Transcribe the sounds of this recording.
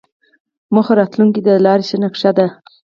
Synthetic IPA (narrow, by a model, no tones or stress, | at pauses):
məxoɾɑt̪luŋkid̪əlɑɾesənakʂad̪a